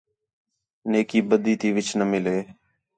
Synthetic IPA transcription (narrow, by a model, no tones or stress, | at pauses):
neːkiːbəd̪iːt̪iːʋɪt͡ʃnəmɪleː